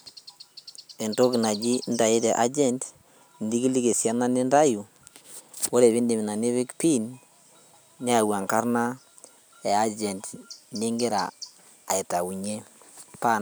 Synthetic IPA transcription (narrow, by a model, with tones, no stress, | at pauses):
e˨nto˦kna˨d͡ʒi˦nda˨ji˦te˨ʔa̰˦d͡ʒɛ˨nd | ndi˦ki˦li˦ke˨sja˦na˦ne˦nda˦ju˨ | wo˦ɾe˨βe˦nde˨mi˨na˨ne˦βi˦kpi˦n | ɲ˦a˦˨wa˨ŋka˦ɾna˦ | e˨a˦d͡ʒɛ˨ndne˦ŋɡe˦ɾa̰ː˨ | i˨ta˨u˨ɲe˦ | pa˦